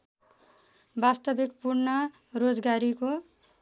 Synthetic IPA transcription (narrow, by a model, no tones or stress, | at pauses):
bast̪ʌbekpurnʌ | rod͡zɡaɾiko